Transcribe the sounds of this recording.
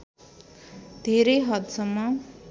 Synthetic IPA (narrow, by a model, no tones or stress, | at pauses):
d̪ʱeɾʌjɦʌt̪sʌmːʌ